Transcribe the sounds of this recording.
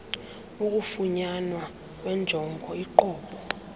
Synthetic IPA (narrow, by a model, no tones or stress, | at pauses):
uk̬ʼufuɲanwa | k̬ʼwɛnd͡ʒʱɔŋɡʱɔiǃɔːɓɔ